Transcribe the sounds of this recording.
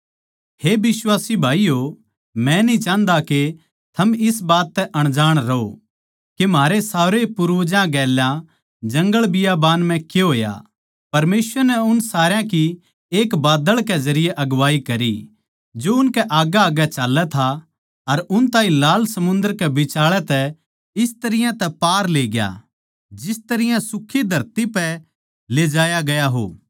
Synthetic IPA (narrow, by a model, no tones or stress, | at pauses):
hebɪswaːsibʱaːijo | mɛ̃nĩt͡ʃãːnd̪ake | t̪ʰɐmɪsbaːt̪ːɛʔɐɽ̃d͡ʒaːɽ̃ɾɐo̰ | kem̤aːɾesaːɾepʊɾd͡ʒãɡɛːljã | d͡ʒɐ̃ŋɡəɭbɪjabaːnm̤ɛ̃keɦoːja̰ | pɐɾmeːsʋəɾnɛʊnsaːɾejãki | eːkbaːd̪əɭkɛzɐɾɪjeʔɐɡʋaːikɐɾḭ | d͡ʒoʊnkɛʔaːɡaːɡɛt͡ʃaːlːɛt̪ʰa | ɐɾʊnt̪ãːɦĩlaːlsɐmʊ̃nd̪əɾkɛbɪt͡ʃaːɭɛt̪ɛ | ɪst̪ɐɾɪjãt̪ɛpaːɾleːɡja̰ | d͡ʒɪst̪ɐɾɪjãsʊkʰːid̪ʱɐɾt̪ipɛ | leːd͡ʒaːjaɡɐjaɦo̰ː